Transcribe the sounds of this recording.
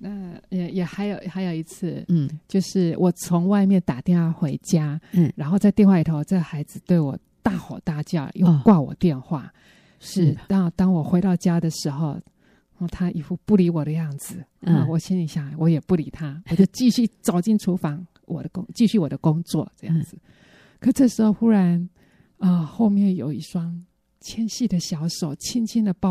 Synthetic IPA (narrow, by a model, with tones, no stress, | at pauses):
na˥˨˩jɛ˨˩xa˧˥ɪjo˨˦ʊxa˧˥ɪjo˨˩ʊi˧˥t͡s̩ʰ˥˩t͡ɕjo˥˧ʊʂɻ̩˥˩wʔɔ˨˩t͡sʰʊ˧˥ŋwa˥˧ɪmjɛ˥˩nt̪a˨˩t̪jɛ˥˧nwa˥˩xwe˧˥ɪt͡ɕja˥ɻa˧˥nxo˥˧ʊt͡sa˥˧ɪt̪jnxwa˥˩i˨˩o˥ʊʊ˩ʈ͡ʂɤ˥˩ɡə˨˩xa˧˥ɪd͡zɹ̩˧t̪we˥˩ɪwɔ̰˨˩ | t̪a˥˩xɑ˨˩ʊt̪a˥˧t͡ɕjɑ˥˩ʊjo˥˧kwa˥˩wɔ̰˨˩t̪jɛ˥˧nxwa˥˩ | ʂɻ̩˥˩t̪ɑ˥ŋt̪ɑ˥ŋwɔ˨˩xwe˧˥ɪɾɑ˥˩ʊt͡ɕja˥d̪ə˨ʂɻ̩˧˥xo˧ʊ˧˩ | t̪ʰa˥ʔi˨˩fu˥˧pu˥˩li˧˥wɔ˨˩d̪ə˦jɑ˥˩ŋd͡zɹ̩˨˩˧wɔ˨˩ɕi˥ni˧˥ɕja˥˩˧wɔ˧˥jɛ˨˩pu˥˩li˧˥t̪ʰa˥wt͡ɕjo˥˧ʊt͡ɕi˥˧ɕy˥˩t͡sɑ˨˩ʊt͡ɕi˥˩nʈ͡ʂʰu˧˥fɑ˧˥ŋ | wʔɔ̰˨˩d̪ə˦kʊ˥ŋt͡ɕi˥˧ɕy˥˩wɔ˨˩d̪ə˦kʊ˥ŋt͡swɔ̰˥˩ʈ͡ʂɤ˥˧jɑ̰˥˩ŋd͡zɹ̩˨˩ | kʰə˧˩˧ʈ͡ʂɤ˥˩ʂɻ̩˧˥xo˥˧ʊxu˥ɻa˧˥n | ə˧xo˥˧ʊmjɛ˥˩njo˨˩ʊi˥˩ʈ͡ʂwɑ˥ŋ | t͡ɕʰjɛ˥nɕi˥˩d̪ə˩ɕjɑ˧˥ʊʂo˨˩ʊt͡ɕʰi˥nt͡ɕʰi˥nd̪ə˨pɑ˥˧